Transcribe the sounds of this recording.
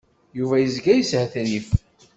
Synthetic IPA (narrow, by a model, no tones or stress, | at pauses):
juvæjəzɡæjəshæθnif